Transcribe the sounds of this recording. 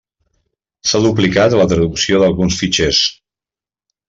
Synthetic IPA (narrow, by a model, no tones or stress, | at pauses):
saðup̬likat̪lət̪ɾəðuksioðəlˠɣunsfit͡ʃes